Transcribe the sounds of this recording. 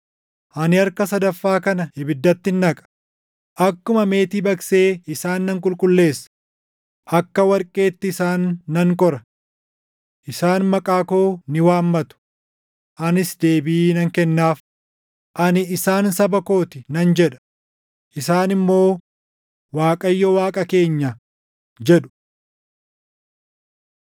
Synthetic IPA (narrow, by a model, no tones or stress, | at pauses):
ʔɐnɪɐɾkɐsɐd̪ɐfːaːkɐnɐhɪbɪd̪ːɐt̪ːɪnːɐkʼɐ̥ | ʔɐkːʊmɐme̞ːt̪iːbɐkse̞ːɪsaːnːɐŋkʼʊlkʼʊlːe̞ːsːɐ̥ | ʔɐkːɐwɐɾkʼːe̞ːt̪ːɪɪsaːnːɐŋkʼɔɾɐ | ʔɪsaːnmɐkʼaːkoːnɪwaːmːɐt̪ʊ̥ | ʔɐnɪsd̪e̞ːbɪːnɐŋkɛnːaːf | ʔɐnɪɪsaːnsɐbɐko̞ːt̪ɪnɐnd͡ʒɛᶑɐ̥ | ʔɪsaːnɪmːo̞ː | waːkʼɐjːɔwaːkʼɐke̞ːɲːɐ | d͡ʒɛᶑʊ̥